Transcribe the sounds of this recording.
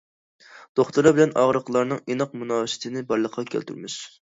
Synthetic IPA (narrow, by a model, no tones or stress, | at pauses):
d̪̥oχt̪uɾɑbɪlɛnɑ̰ʁɾəqlˠɑɾnɨŋinɨqmunɑːsɪ̥t̪ʰɪnɪbɑɾlˠəqʰːɑkʲʰæ̰lt̪ʰy̰ɾmɪʃ